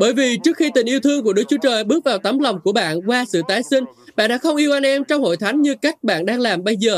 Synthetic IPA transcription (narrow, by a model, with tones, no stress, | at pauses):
ɓəː˧˩jvi˨˩t͡ɕɨ˦˥ək̚xi˧t̪ï˨˩ŋ̟ʔi˧əwt̪ʰɨ˧əŋku˧˩əɗɨ˦˥k̚t͡ɕu˨˦ət͡ɕəː˨˩jɓɨ˦˥k̚vaː˨˩wt̪a˨˦mla˨˩wŋ͡mku˧˩əɓa̰ː˧˨nkwaː˧sɨ̰˧˨t̪aː˨˦jsï˧ŋ̟ɓa̰ː˧˨nɗa̰ː˧˥xə˧wŋ͡mʔi˧wʔa˧nʔɛ˧mt͡ɕɔ˧wŋ͡mho̰˧˨jt̪ʰa˨˦jŋ̟ɲɨ˧ka˦˥jk̟̚ɓa̰ː˧˨nɗaː˧ŋlaː˨˩mɓə˧jzəː˨˩